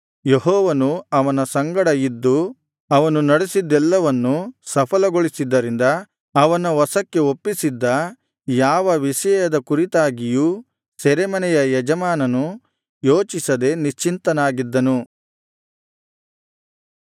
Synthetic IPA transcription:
jeɦɔːʋɐnuɐʋɐnɐsɐŋɡɐɽɐid̪ːu | ɐʋɐnunɐɽesid̪ːɛlːɐʋɐnːusɐpʰɐlɐɡoɭisid̪ːɐɾind̪ɐː | ʋɐnɐʋɐsɐkːe̞opːisid̪ːɐ | jaːʋɐʋiʃɐjɐd̪ɐkuɾit̪aːɡiju | sɛɾemɐnɛjɐjɛd͡ʒɐmaːnɐnu | joːt͡ʃisɐd̪e̞niʃt͡ʃint̪ɐnaːɡid̪ːɐnu

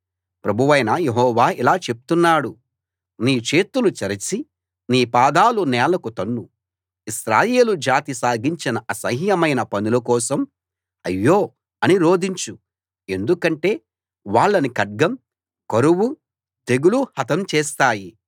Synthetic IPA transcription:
pɾɐbʱuʋɐjnɐjeɦɔːʋaːilaːt͡ʃe̞pu̥t̪unːaːɽu | niːt͡ʃe̞ːt̪ulut͡ʃɐɾɐt͡ʃi | niːpaːd̪aːlunɛːlɐkut̪ɐnːu | isɾaːje̞ːlud͡ʒaːt̪isaːɡiɲt͡ʃinɐʔɐsɐɦijɐmɐjnɐpɐnulɐkɔːsɐm | ɐ̰jːoː | ɐniɾo̞ːd̪iɲt͡ʃu | e̞nd̪ukɐɳʈe̞ː | ʋaːɭːɐnikɐɖ̚ɡɐm | kɐɾuwu | d̪eɡuluhɐt̪ɐmt͡ʃeːs̬t̪aːji

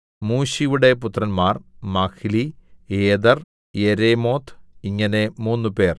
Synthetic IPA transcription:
muːɕiʋuɽe̞put̪rɐnmaːrmakʰilieːd̪ɐr | jeɾemo̞ːt̪ʰiŋːɐne̞muːnːupe̞ːr

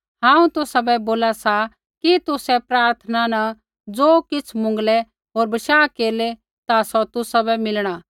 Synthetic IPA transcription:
ɦãːũt̪ʊsabɛboːlasa | kit̪ʊsɛpɾaːɾt̪ʰənana | d͡zoːkɪt͡sʰmʊ̃ŋɡlɛ | ɦoːɾbɐʃaːkeːle | t̪asɔt̪ʊsabɛmɪlɽ̃a

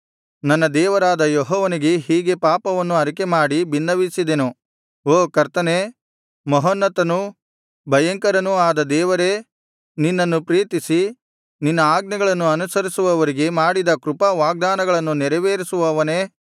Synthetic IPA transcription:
nɐnːɐd̪ɛːʋɐɾaːd̪ɐjɔɦɔːʋɐniɡe̞ɦiːɡe̞paːpɐʋɐnːuɐɾikemaːɽibinːɐʋisid̪enu | oːkɐɾt̪ɐne | mɔɦɐnːɐt̪ɐnu | bʱɐjɐŋkɐɾɐnuaːd̪ɐd̪ɛːʋɐɾe̞ | ninːɐnːupɾiːt̪isi | ninːɐaːɡnɐɡɐɭɐnːuɐnusɐɾisuʋɐʋɐɾiɡe̞maːɽid̪ɐkɾupɐʋaːɡ̚d̪aːnɐɡɐɭɐnːunɛɾɛʋeːɾisuʋɐʋɐneː

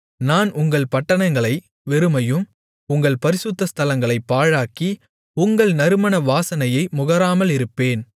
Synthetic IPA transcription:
naːnʊŋɡɐɭpɐʈːɐnɐŋɡɐɭɐɪ | ʋɛɾɯmɐjɯm | ʊŋɡɐɭpɐɾɪsʊt̪ːɐst̪ʰɐlɐŋɡɐɭɐɪpːaːɻaːki | ʊŋɡɐɭnɐɾɯmɐnɐʋaːsɐnɐjɐɪmʊɣɐɾaːmɐlɪɾɯpːeːn

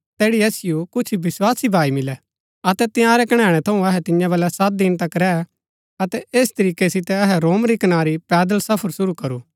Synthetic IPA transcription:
t̪ɛːɽiɐsɪjukʊt͡ʃʰibɪswaːsibʱaːimɪlɛ | ɐt̪ɛt̪ɪjãːɾɛkɐɽ̃ɛ̃ːɽ̃ɛt̪ʰɐũɐɦɛt̪ɪ̃jãʋɐːlɛsɐt̪̚d̪ɪnt̪ɐkɾɛː | ɐt̪ɛʔeːst̪ɐɾiːkesɪt̪ɛɐɦɛɾoːmɾikɐnaːɾipɛːd̪əlsɐpʰəɾsʊɾukɐɾuː

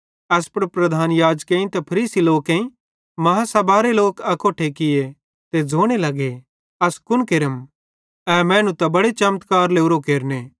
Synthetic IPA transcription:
ɛːspɐɾpɾɐd̪ʱaːnjaːd͡ʒkẽĩt̪ɛpʰɐɾiːsiloːkẽĩ | mɐɦãsɐbʱaːɾeloːkɐkoːʈʰekɪje | t̪ed͡zʱoːɽ̃elɐɡe | ɐskʊnkeɾəm | ɛːmɛ̃ːnũt̪ɐbɐɽet͡ʃɐmt̪kaːɾleːʊɾokeːɾneː

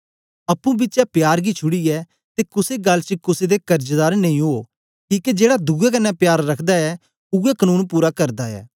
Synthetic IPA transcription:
ɐpːũbɪtːt͡ʃɛpjaːɾɡit͡ʃʰʊɽiɛː | t̪ekʊseɡɐlːt͡ʃəkʊsed̪ekɐɾd͡ʒd̪aːɾnɐ̃ĩɦoː | kiːked͡ʒeːɽad̪ʱʊɡɛkɐnːɛpjaːɾːɐkʰd̪aɛ | ʊɛkənuːnpuːɾakɐɾd̪aɛ̰ː

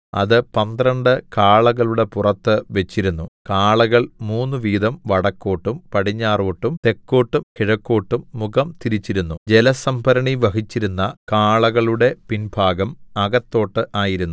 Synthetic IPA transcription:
ɐ̰ðɨpɐnd̪rɐɳɖɨkaːɭɐɣɐɭuɽe̞purɐt̪ːɨʋet͡ɕːiɾunːukaːɭɐɣɐɭmuːnːɨʋiːd̪ɐmʋɐɽɐkːo̞ːʈːumpɐɽiɲːaːroːʈːumt̪e̞kːoːʈːumkiɻɐkːo̞ːʈːumːuɣɐmt̪iɾit͡ɕːiɾunːud͡ʑelɐsɐmbʱɐɾɐɳiʋɐɦit͡ɕːiɾunːɐkaːɭɐɣɐɭuɽe̞pinbʱaːɡɐmɐɡɐt̪ːo̞ːʈːɨʔaːjiɾunːu

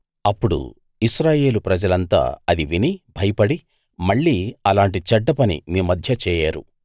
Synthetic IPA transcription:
ɐpːuɽṵ | isɾaːje̞ːlupɾɐd͡ʒɐlɐnt̪a̰ːɐd̪iʋinibʱɐjɐpɐɽi | mɐɭːiːɐlaːɳʈit͡ʃɐɖːɐpɐnḭmiːmɐd̪ʱjɐt͡ʃɛːjaːɾṵ

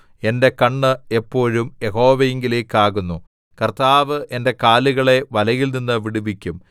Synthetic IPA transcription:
e̞nde̞kɐɳːɨepːo̞ːɻumjeho̞ːʋɐjeŋɡileːkːaːɣunːu | kɐrt̪aːʋɨʔe̞nde̞kaːluɣɐɭe̞ʋɐlɐjilninːɨʋiɽuʋikʲːum

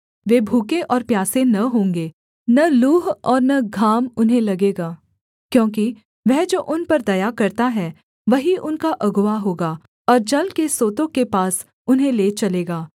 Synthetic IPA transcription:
ʋeːbʱuːkeʔɔːɾpjaːsẽnɐɦõːŋɡeː | nɐluːɦɔːɾnɐɡʱaːmʊnɦẽlɐɡeːɡaː | kjõːk̬i | ʋɛɦd͡ʒoːʔʊnpɐɾd̪ɐjakɐɾt̪aɦɛː | ʋɐɦiʔʊnkaʔɐɡʊʋaɦoːɡaː | ɔːɾd͡ʒɐlkesoːt̪õkepaːs | ʊnɦẽleːt͡ʃɐleːɡaː

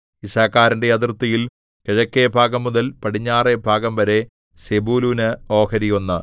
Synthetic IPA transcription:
isaːkːaːɾɐnde̞jɐt̪̬rɨt̪ːɐjil | keɻɐkːebʱaːɡɐmːuðɐlpɐɽiɲːaːre̞bʱaːɡɐmʋɐɾe̞ | sebuːluːnɨo̞ːkɐɾijonːɐ

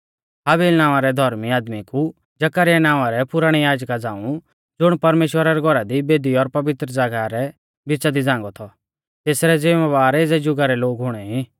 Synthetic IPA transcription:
ɦaːbeːlnaːʋaɾɛd̪ʱɔɾmiaːd̪miku | d͡ʒɐkəɾɪjanaːʋaɾɛpʊɾaɽ̃ijaːd͡ʒkad͡zãːũ | d͡zʊɽ̃pɐɾmeːʃwəɾaɾɛɡʱɔɾad̪ibeːd̪iɔɾpɐʋɪt̪ɾəd͡zaːɡaɾɛ | bɪt͡ʃad̪id͡zãːŋ̆ɡɔt̪ʰɔ | t̪eːsɾɛd͡zɪmʋaːɾeːd͡zɛd͡ʒʊɡaɾɛloːɡɦʊɽ̃ɛɦĩ

